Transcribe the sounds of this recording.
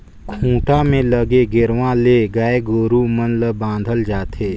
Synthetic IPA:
kʰũːʈamẽləɡeɡɪɾʋãleːɡaeɡoːɾumənləbãːnd̪ʱəld͡ʒaːt̪ʰeː

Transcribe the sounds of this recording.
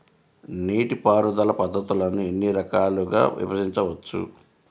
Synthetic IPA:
niːʈipaːɾud̪ɐlɐpɐd̪ːɐt̪ulɐnue̞nːiɾɐkaːluɡa̰ːʋḭbɐsiɲt͡ʃɐʋɐt͡ʃːṵ

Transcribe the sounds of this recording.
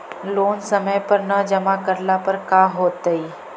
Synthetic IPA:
loːnsəməjpəɾnəd͡ʒəmakəɾlapəɾkaɦoːt̪əiː

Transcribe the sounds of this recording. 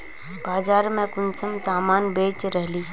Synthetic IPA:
baːd͡ʒaːɾmẽkʊnsəmsaːmaːnbeːt͡ʃɾɛɦliː

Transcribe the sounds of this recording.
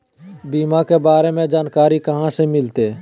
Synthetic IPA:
biːmãːkeːbaːɾemẽd͡ʒaːnkaːɾikəɦãːsemɪlt̪eː

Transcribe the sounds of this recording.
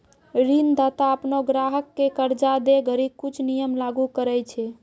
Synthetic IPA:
ɾind̪at̪aəpnoɡɾaɦəkːekəɾd͡ʒad̪eɡəɾib̚kut͡ʃʰnijəmlaɡukəɾət͡ʃʰɛ

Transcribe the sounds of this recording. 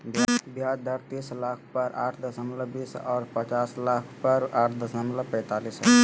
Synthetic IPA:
bbjaːd̪əɾt̪iːslaːkʰpəɾʔaːʈʰd̪əsəmləbiːsɔːɾpət͡ʃaːslaːkʰpəɾaːʈʰd̪əsəmləpɛ̃ːt̪aːliːsɦɛ

